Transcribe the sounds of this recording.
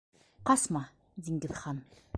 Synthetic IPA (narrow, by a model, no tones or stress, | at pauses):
qɑsmɑ | d̪ʲiŋɡɘ̆ðχɑn